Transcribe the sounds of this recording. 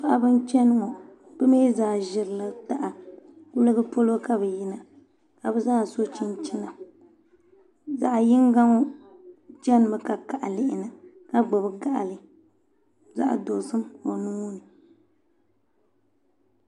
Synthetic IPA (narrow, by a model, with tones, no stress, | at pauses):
pa˦ʔa˦bɨ˦nt͡ʃɛ˦nɨ˦ŋɔ˨ | b̥ɨ˦meː˦zaː˨ʒɪ˨ɾɨ˨la˨ta˨ʔa˨ku˦lɨ˦ɡɨ˦po˦lo˦ka˦bɛ˨ji˦na˨ | ka˨bɛ˦zaː˦˨so˦t͡ʃi˦n˦t͡ʃi˦na˨ | za˨ʔjɪ˦ŋ˦ɡa˦ŋɔ˦ | t͡ʃɛ˦n˨mɨ˦ka˨ka˨ʔa˨lɪ˦ʔɪ˨nɨ˨ | ka˦ɡ͡bo˨bɨ˦ɡa˦ʔa̰˨lɨ˨ | za̰˦ʔa̰˨do˨sɨ˦mo˨nu˦nɨ˨